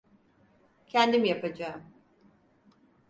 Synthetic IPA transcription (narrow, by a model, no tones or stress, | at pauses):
cʰɛnd̪imijapʰad͡ʒaːɯm